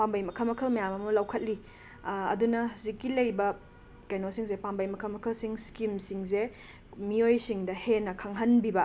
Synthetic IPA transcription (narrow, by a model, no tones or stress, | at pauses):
pambɐjmɐkʰɐlmɐkʰɐlmɐjamɐmɐlɐwkʰɐt̚li | ɐ̰dunɐhɐzikːilɐjbɐ | kajnosiŋzepambɐjmɐkʰɐlmɐkʰɐlsiŋskimsiŋze | miojsiŋdɐhenːɐkʰaŋɦɐnbibɐ